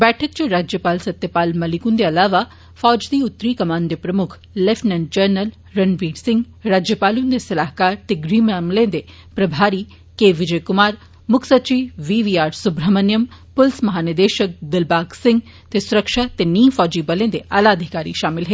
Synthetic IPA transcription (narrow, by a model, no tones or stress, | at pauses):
bɛːʈʰək̚t͡ʃɐɾaːd͡ʒjəpaːlsɐt̪jəpaːlmɐlɪkũnd̪eɐlaːʋa | fɔːd͡ʒd̪iʊt̪ːɾikɐmaːnd̪epɾɐmʊkʰ | lɛefnɐn̚d͡ʒəɾnəl | ɾɐnʋiːɖsɪ̃ŋɡ | ɾaːd͡ʒjəpaːlũnd̪esɐlaːɦkaːɾt̪eɡɾiːmaːmlẽːd̪e | pɾɐbʱaːɾi | keːʋɪd͡ʒəjkʊmaːɾ | mʊkʰsɐt͡ʃiːʋiːʋiːaːɾsʊbɾəmənjəmpʊlsmɐɦaːnɪd̪eːʃək̚d̪ɪlbaːɡsɪ̃ŋɡ | t̪esʊɾəkʃaːt̪eniːfɔːd͡ʒiːbɐlẽnd̪eʔaːlaːd̪ʱikaːɾḭʃaːmɪlɦeː